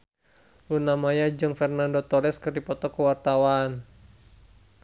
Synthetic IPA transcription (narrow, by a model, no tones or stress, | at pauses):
lunamajad͡ʒɨŋfɛrnandot̪ɔɾɛskɨrdipɔt̪ɔkəwart̪awan